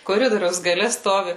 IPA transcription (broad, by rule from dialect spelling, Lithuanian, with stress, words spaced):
koːˈrʲɪdoːrʲɛʊs ɡɐˈlʲɛ ˈstoːʋʲɪ